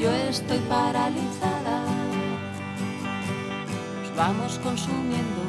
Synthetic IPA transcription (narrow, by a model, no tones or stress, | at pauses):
oest̪ojpaɾalint͡ʃaða | ozβamoskonsumjẽnd̪o